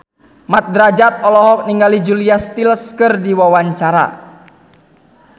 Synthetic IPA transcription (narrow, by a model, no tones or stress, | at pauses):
mat̪̚d̪ɾad͡ʒat̪̚ɔlɔɦɔk̚niŋɡalid͡ʒuliast̪iləskərdiwawaɲt͡ʃaɾa̰